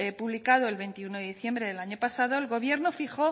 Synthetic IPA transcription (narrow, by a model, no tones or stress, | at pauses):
epuβlikað̞oe̞lβe̞nt̪iunoðeðiθje̞mbɾe̞ðe̞laɲo̞pasaðo̞elɣo̞β̞je̞ɾnofixo̞